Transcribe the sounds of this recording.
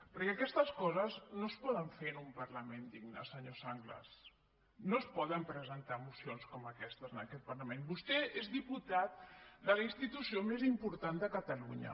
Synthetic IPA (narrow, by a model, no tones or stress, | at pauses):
pəɾkɛəkɛst̪əskɔzəznospɔðəɱfenumpəɾləmend̪iɡnə̰səɲosaŋɡlə̰s | nospɔðəmpɾəzənt̪amusionskɔməkɛst̪əzənəkɛt̪̚pəɾləmenbust̪ɛezðiput̪at̪̚d̪ələinst̪it̪usiomezimpuɾt̪and̪əkət̪əluɲə̰